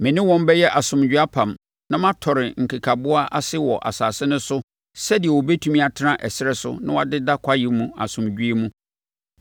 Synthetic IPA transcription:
mɪ̃˨nɪ̃˦wɔ̃˦m˦bɛ˦jɛ˦ʔa˨sʊ̃˨md͡ʑᶣɥa˦pʰã˨m | nã˦mã˦tʰɔ˨ɾɪ˨ŋ̩˨kʰi˨kʰa˨bʊ˦a˦ʔa˦sɪ˦wɔ˨ʔa̰˨saː˨sɪ˦nʊ̃˦sʊ˦ | sɛ˦dɪ˨ɛ˨wɔ˨bɛ˦tʰu˦mĩ˦a˨tʰɪ˦nã˦ʔɛ˨sɪ˦ɾɛ˦sʊ̰˦nã˦wa˨dɪ˦da˦kʰa˦jɪ˨mũ˦a̰˨sʊ̃˨md͡ʑᶣɥe˦mũ˦

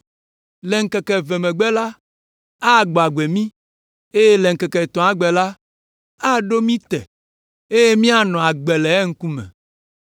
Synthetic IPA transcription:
lɛ˨ŋ̩˦˨kɛ˨kɛ˨vɛ˨mɛ̃˨ɡ͡bɛ˦la˦ | a˦˨ɡ͡bo˨a˨ɡ͡be˨mĩ˦ | e˦je˦lɛ˨ŋ̩˨kɛ˨kɛ˨t̪ɔ̃˨a˨ɡ͡bɛ˨la˦ | a˦ɖo˦mĩ˦t̪ɛ̰˨ | e˦je˦mĩ˦a˨nɔ̃˨a˨ɡ͡bɛ˨lɛ˨ɛ˦ŋ̩˦ku˦mɛ̰̃˨

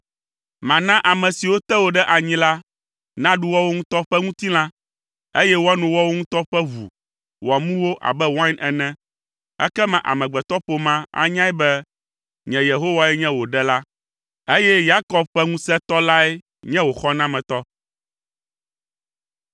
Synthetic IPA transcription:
mã˨nã˦ʔa˨mɛ̃˨si˨wo˦t̪ɛ˦wo˨ɖɛ˦ʔa˨ɲĩ˦la˦ | nã˦ɖu˦wɔ˦wo˦ŋũ˦t̪ɔ˦ɸɛ˦ŋũ˦t̪i˦lã˦ | e˦jɛ˦wo˦a˦nũ˨wɔ˦wo˦ŋũ˦t̪ɔ˦ɸɛ˦vṵ˨ | wɔ˨mũ˦wo˦ʔa̰˨bɛ˦wã˦ɛ˨nɛ̃˦ | ɛ̰˦kɛ˦mã˨ʔa̰˨mɛ̃˨ɡ͡bɛ˨t̪ɔ˦ɸo˨mã˦a̰˦ɲã˦ɛ˦bɛ˦ | ɲɛ̃˨je˨ɦo˦wa˦˨ɛ˦ɲɛ̃˦wo˨ɖɛ˦la˦ | e˦jɛ˦ja˦kɔ˨b̚ɸɛ˦ŋũ˦sɛ˦t̪ɔ˦la˦ɛ˦ | ɲɛ̃˦wo˨xɔ˦nã˦mɛ̃˨t̪ɔ˦

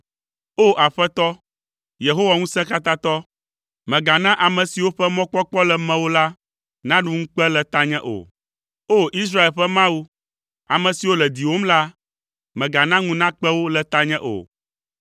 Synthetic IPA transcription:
o˦ʔa˨ɸɛ˦t̪ɔ˦ | je˨ɦo˦wa˨ŋũ˦sɛ̃˦ka˦t̪ã˦t̪ɔ˦ | mɛ̃˨ɡa˨nã˦ʔa˨mɛ̃˨si˨wo˦ɸɛ˦mɔ̃˦k͡pɔ˦k͡pɔ˦lɛ˨mɛ̃˨wo˦la˦ | nã˦ɖu˦ŋũ˦k͡pɛ˦lɛ˨t̪a˦ɲɛ̃˦ʔo̰˨ | o˦ʔi˦s̬ɾa˦e˨lɸɛ˦mã˦wu˦ | a˨mɛ̃˨si˨wo˦lɛ˨d̪i˨wo˦m˦la˦ | mɛ̃˨ɡa˨nã˦ŋũ˦nã˦k͡pɛ˦wo˦lɛ˨t̪a˦ɲɛ̃˦ʔo̰˨

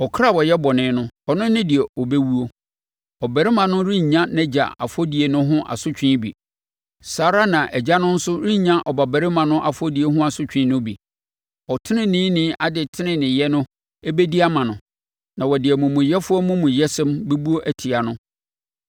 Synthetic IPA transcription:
ɔ˨kʰɾa˦˨wɔ˨jɛ˦bɔ˨nɪ̃ː˨˦nʊ̃˦ɔ˨nʊ̃˦nɪ̃˦dɪ˨ɛ˨ɔ˨bɛ˦wu˦o˦ | ɔ˨bæ˨ɾɪ˦mã˨nʊ̃˦ɾĩ˦ɲã˦nɛ̃˦d͡ʑa̰˨a̰˨fɔ˦di˨e˨nʊ̃˦ɦʊ̃˦ʔa̰˨sʊ˦t͡ɕᶣĩ˦bḭ˨ | saː˨˦ɾa˦nã˨ʔɛ˨d͡ʑa˦nʊ̃˦n̩˦sʊ˦ɾĩ˦˨ɲã˦ʔɔ˨ba˨bæ˨ɾɪ˦mã˨nʊ̃˦ʔa˨fɔ˦di˨e˦ɦʊ̃˦a˨sʊ˦t͡ɕᶣĩ˦nʊ̃˦bi˨ | ɔ˨tʰɪ˦nɪ̃˦nĩː˦nɪ̃˦ʔa˨dɪ˨tʰɪ˦nɪ̃˨nɪ̃˨jɛ˦nʊ̃˦ | ɛ˦bɛ˦di˦a˦mã˨nʊ̃˨ | nã˨wɔ˨dɪ˨ɛ˨mʊ̃˨mʊ̃˨jɛ˦fʊ˦ɔ˦mʊ̃˦mʊ̃˨jɛ˦sɛ̃˦mbɛ˦bu˦o˦ʔæ˦tʰi˨a˨nʊ̃˦

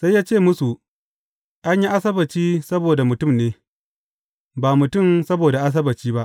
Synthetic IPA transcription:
sa˦jaː˦t͡ʃeː˦˨mʊ˦su˨ | ʔa˦ɲji˦ʔa˦sɐ˦bɐ˨t͡ʃiː˦sɐ˦boː˨da˨mʊ˨tʊ˦˨mneː˦ | baː˨mʊ˨tʊ˦˨msɐ˦boː˨da˨ʔa˦s̬ɐ˦bɐ˨t͡ʃiː˦ba˦ʔ

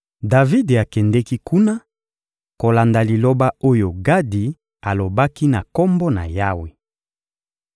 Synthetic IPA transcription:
da˨vi˦de˨a˨kɛ˨ndɛ˦ki˦ku˦na˦ | ko˨la˨nda˨li˨lo˦ba˦o˦jo˨ɡa˦di˨ | a˨lo˨ba˦ki˦na˨kɔ˦mbɔ˦na̰˨ja˦we˨

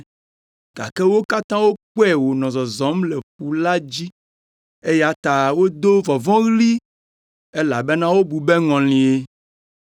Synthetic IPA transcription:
ɡ̥a̰˨kɛ˦wo˦ka˦t̪ã˦wo˦k͡pɛ˦˨wo˨nɔ̃˨zɔ˨zɔ̃˨˦mle˨ɸu˨la˦d͡ʑi˦ | e˦ja˨t̪a˨wo˦d̪o˦vɔ˨vɔ̃˦ɣli˦ | e˦la˨be˦nã˦wo˦bu˨be˦ŋɔ̃˨l̃ĩ˨e˦

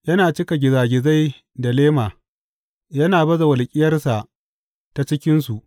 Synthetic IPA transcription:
jɐ˦naː˨t͡ʃɪ˦ka˨ɡʲɪ˨zaː˨ɡʲɪ˨za˦j | da˨leː˦maː˨ | jɐ˦naː˨bɐ˦za˨wɐ˨lkʲʼɪ˦jɐ˦rsa˨ | ta˨t͡ʃɪ˦kʲɪ˦ns̬u˨ʔ

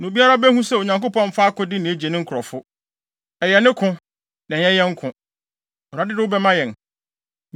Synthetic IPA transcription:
nʊ̃˨bi˦a˦ɾa˦bɛ˦hũ˦sɛ˦˨o˨ɲã˨ŋko˦pɔ̃˦m̩˦fa˦kʊ̃˦dɪ˦nɪ̃˨e˦d͡ʑe˨nɪ̃˦ŋ̩˦kʰɔ˨fʊ˦ | ɛ˨jɛ˨nɪ̃˦kʰʊ̃˦ | nɛ̃˨˦ɛ˦jɛ˦ŋ̩˦kʰʊ̃˨ | ɔ˨ɾa˨dɪ˦dɪ˦wʊ˦bɛ˦mã˦jɛ̃˨n

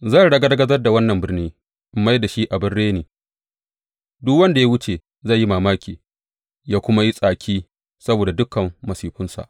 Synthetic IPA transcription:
za˦˨ɽɐ˦ɡa˦dɐ˦ɡɐ˦zɐ˦rda˨wɐ˦nːɐ˨mbɪ˦rniː˦ | ʔmːa˦jda˨ʃi˦ʔa˨bɪ˦rːeː˦neː˨ | dʊ˦kwɐ˦nda˨ja˦wʊ˦t͡ʃe˨ | za˦˨jːi˦maː˨maː˦kʲiː˨ | jaː˦kʷʊ˦ma˦ji˦sʼaː˨kʲʰiː˦ | sɐ˦boː˨da˨dʊ˦kɐ˨mːɐ˨siː˨ɸʊ˦nsa̰˨ʔ

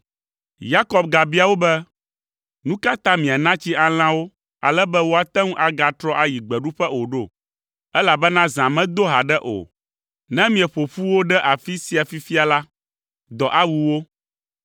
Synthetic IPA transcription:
ja˦kɔ˦b̚ɡa˨bi˦a˨wo˦bɛ˦ | nũ˦ka˦t̪ã˦mĩ˨a˨nã˦t͡ɕi˦a˨l̃ã˦wo˦ | a̰˨lɛ˦bɛ˦wo˦a˨t̪ɛ˦ŋũ˦ʔa˨ɡa˨t̪ɾɔ˦ʔa˨ji˨ɡ͡bɛ˨ɖu˦ɸɛ˦o˨ɖo˦˨ | ɛ˦la˨bɛ˦nã˦zã˨mɛ̃˦d̪o˦ɦa˨ɖɛ˦ʔo̰˨ | nɛ̃˦mĩ˨ɛ˨ɸo˨ɸu˦wo˦ɖɛ˦ʔa˨fi˦si˦a˨fi˦fi˦a˨la˦ | d̪ɔ˨ʔa˦wu˦wo˦

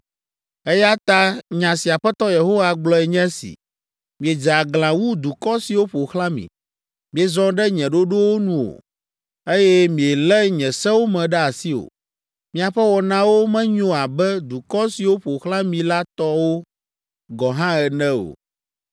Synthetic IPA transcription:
e˦ja˦t̪a˦ɲã˨si˨a˨ɸɛ˦t̪ɔ˦je˨ɦo˦wa˨ɡ͡blɔ˦ɛ˨ɲɛ̃˦sḭ˨ | mĩ˨ɛ˨d͡ʒa˨ɡlã˨wu˦d̪u˨kɔ˦si˨wo˦ɸo˨xlã˦mḭ̃˨ | mĩ˨ɛ˨zɔ̃˦ɖɛ˦ɲɛ̃˨ɖo˦ɖo˦wo˦nũ˦o̰˨ | e˦jɛ˦mĩ˨ɛ˨lɛ˦ɲɛ̃˨sɛ̃˦wo˦mɛ̃˨ɖɛ˦a˨si˦o̰˨ | mĩ˨a˨ɸɛ˦wɔ˨nã˦wo˦mɛ̃˦ɲõ˦a˨bɛ˦d̪u˨kɔ˦si˨wo˦ɸo˨xlã˦mĩ˨la˦t̪ɔ˦wo˦ | ɡɔ˨ɦã˦ɛ˨nɛ̃˦o̰˨

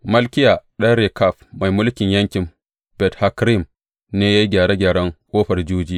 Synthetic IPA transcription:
mɐ˦lkʲɪ˦ja˨ɗɐ˦ɾeː˨ka˦˨ɸma˨jmʊ˦lkʲɪ˨ɲjɐ˦ŋkʲɪ˨m | b̥ɛ˨tha˦kɾi˦˨m | neː˦ja˦ji˦ɡʲaː˨ɽe˦ɡʲaː˨ɽɐ˦ŋkʷʼoː˦ɸɐ˨rd͡ʒuː˦d͡ʒiː˦

